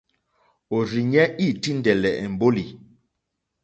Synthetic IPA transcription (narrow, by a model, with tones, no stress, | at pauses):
o˨ɾi˨ɲɛ˦i˦˨ti˦ndɛ˨lɛ˨ʔɛ˨m˨bo˦li˨